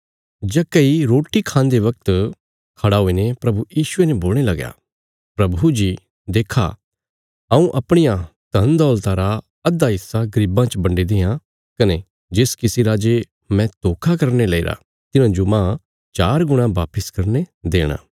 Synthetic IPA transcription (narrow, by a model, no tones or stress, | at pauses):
d͡ʒɛkeiɾoːʈikʰãːnd̪eʋɐk̚t̪ | kʰɐɽaɦoːinepɾɐbujiːʃʊeneboːlñelɐɡja̰ː | pɾɐbud͡ʒi | d̪eːkʰa̰ | ɐũʔɐpɽ̃ɪjãt̪ɐnd̪ɔːlt̪aːɾa | ɐd̪ːaɦɪsːaɡɐɾibãt͡ʃbɐ̃ɳɖed̪eːjã | kɐne | d͡ʒɪskɪsiɾaːd͡ʒe | mɛ̃t̪oːkʰakɐɾnelɐiːɾa̰ | t̪ɪnãd͡ʒomãː | t͡ʃaːɾɡʊɽ̃ãbaːpɪskɐɾned̪ḛːɽ̃a̰ː